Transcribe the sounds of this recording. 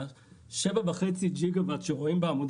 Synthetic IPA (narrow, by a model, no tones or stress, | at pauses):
ʃevabeχet͡sid͡ʒiɡavat̪ʃeʁoimbeamud̪